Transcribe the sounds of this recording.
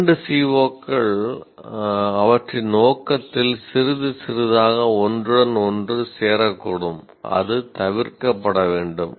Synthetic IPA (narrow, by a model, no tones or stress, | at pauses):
ɳɖɯsiːʋoːkːɐɭ | ɐʋɐʈrɪnoːkːɐt̪ːɪlsɪɾɯðɯsɪɾɯðaːɣɐɔndrɯɽɐnɔndrɯseːɾɐkːɔɽɯm | ɐ̰ðɯt̪ɐʋɪrkɐpːɐɽɐʋeːɳɖɯm